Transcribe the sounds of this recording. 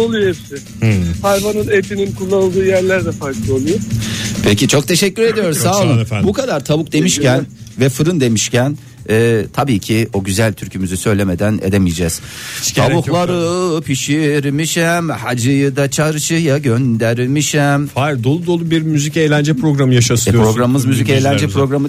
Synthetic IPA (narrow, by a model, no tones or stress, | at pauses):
olˠujohepsɪ | hajvanɯnet̪ininkʰulˠːanɯlˠd̪ɯːjæɾlʲæɾd̪ɛfaɾklˠo̞lˠujopʰecit͡ʃʰo̞k̚t̪ʰe̞ʃɛcʲːyɾe̞d̪ijo̞ɾuzsalˠɯmbukad̪aɾt̪ʰabuk̚d̪e̞miʃcænvɛfɯɾɯnd̪e̞miʃcæn | ɛːt̪ʰabiːcʰio̞ɟyzælʲt̪ʰyɾcʰymyzysø̞jlʲe̞me̞d̪ænḛd̪e̞mijd͡ʒɛːz̥ʰabuxlˠaɾɯpʰiʃiɾimiʃɛmhad͡ʒɯjɯd̪at͡ʃʰaɾɯt͡ʃʰɯjaɟønd̪æɾʲmiʃɛmfaɾd̪o̞lˠud̪o̞lˠubiɾmyzicejlʲænd͡ʒɛpɾo̞ɡɾamɯjaʃaspɾo̞ɡɾamɯmɯzmyzicejlʲænd͡ʒɛpɾo̞ɡɾamɯ